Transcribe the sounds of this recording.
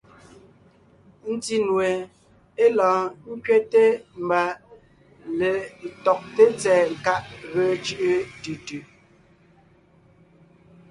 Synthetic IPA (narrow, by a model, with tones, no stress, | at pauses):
n̩˦ti˦nwe˨ | e˦lɔ̃ː˨ŋ̩˦kɥe˦te˦m̩˨ba˨ | le˨tɔ˨k̚te˦t͡sɛː˨ŋ˨ka˦ʔɣə˨˦t͡ʃʉ˦ʔə˦tʉ˨tʉ˨